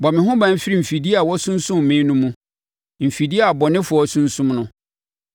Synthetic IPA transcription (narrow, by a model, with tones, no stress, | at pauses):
bɔ˨mɪ̃˨hʊ̃˦bã˨˦m̩˦fi˦ɾi˦˨m̩˨fi˨di˦a˨wɔ˦sũ˦n˦sũ˦m̩˨mẽ˦nũ˦mũ˦ | m̩˨fi˨di˦a˨bɔ˨nɪ̃˦fʊ˨ɔ˨˦sũ˦n̩˦sũ˦mnʊ̃˦